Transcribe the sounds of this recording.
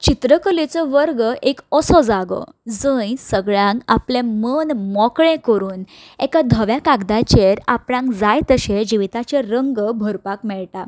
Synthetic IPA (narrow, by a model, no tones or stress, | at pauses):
t͡ɕit̪ɾəkəlet͡sɔʋəɾɡəʔekɔsɔd͡zaɡɔ̰ | d͡zəjsəɡɭjãŋka̰plẽmənmɔkɭẽkəɾuːn | ɛkad̪ʱəʋjakaɡd̪at͡ɕeɾapɽãŋkd͡zajt̪əɕed͡ʑiʋit̪at͡ɕeɾəŋɡbʱəɾpakmɛɭʈa